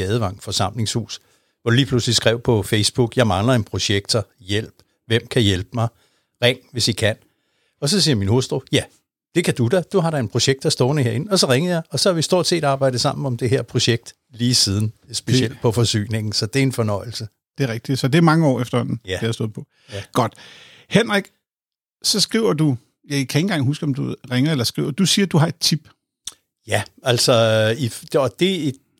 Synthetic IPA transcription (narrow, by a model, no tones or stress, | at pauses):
ɛðˠʋɑ̈ŋ̰fɒ̽sɑ̈m̰le̝ŋshṵːs | ʋɒd̥uliːpʰluslisɡ̥ʁɛʊ̰pʰɒ̽feɪsb̥uɡ̥jɑ̈ɪmɑ̈ŋlɐenpʰʁo̝ɕeɡ̥̚d̥ɐjel̰b̥ | ʋem̰kʰæjelb̥əmɑ̈ɪ | ʁeŋ̰ʋe̝sikʰæn̰ | ɒ̽sɒ̽siːɐminho̝sd̥ʁo̝jæ | d̥e̝kʰæd̥ud̥æd̥uɦɑ̈ɾɑe̝npʰʁo̝ɕeɡ̥̚d̥ɑsd̥ɔːnəhe̝ɐe̝n̩ɒ̽sɒ̽ʁeŋð̩ˠjɑ̈ɪʔɒ̽sɒ̽hæʋisd̥o̝ɐ̰d̥se̝̰ːd̥ɑːb̥ɑ̈ɪ̰d̥ð̩ˠsɑ̈m̰n̩ɒ̽md̥e̝ɦeɐpʰʁo̝ɕeɡ̥̚d̥ | liːsiːð̞ˠn̩sb̥e̝ɕel̰d̥pʰɒ̽fɒ̽sy̰ːne̝ŋ̰n̩sɒ̽d̥e̝æɐe̝nfɒ̽nɒ̽ɪ̰l̩sə | d̥e̝æɐʁeɡ̥̚d̥i̥sɒ̽d̥e̝æmɑ̈ŋəɒ̰ːefd̥ɐhɒ̽n̰n̩æejɑsto̰ːð̩̰ˠpʰɒ̽ | ɡ̥ɒd̥ | henʁaɡ̥ | sɒ̽sɡ̥ʁiʊɐd̥u | jɑkʰæe̝ŋn̩ɡ̥ɑ̈ŋ̰ɦusɡ̥əɒ̽md̥uʁeŋɐelɐsɡ̥ʁḭʊ̰ɐd̥usiːɐd̥uɦɑ̈e̝d̥̚t͡sʰib̥ | jææl̰sɒ̽i̥ɒ̽d̥e̝e̥